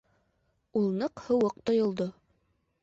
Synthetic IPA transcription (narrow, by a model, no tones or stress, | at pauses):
ulˠnɤqhɤ̆wɤq̚t̪ŏjŏlˠd̪o